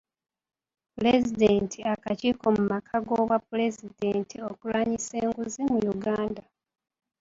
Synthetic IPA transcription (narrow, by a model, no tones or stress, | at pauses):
pule̞zide̞ːntʰiakaciːko̞mumakʰaɡoːβwapule̞zide̞ːntio̞kulwaːɲise̞ːŋɡuzimujuɡaːnda